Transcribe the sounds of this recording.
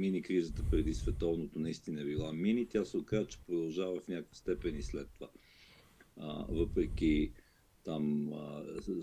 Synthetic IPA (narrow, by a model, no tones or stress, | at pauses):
minikɾizət̪əpɾɛd̪isvɛt̪ɔvnot̪onɐist̪inəɛbilˠaminit̪ʲasɛokazət͡ʃɛ̥pɾod̪ɐlˠʒavəfnʲakojəst̪ɛpɛnislɛt̪ːova | ə̰vɤpɾɛk̟i | t̪amə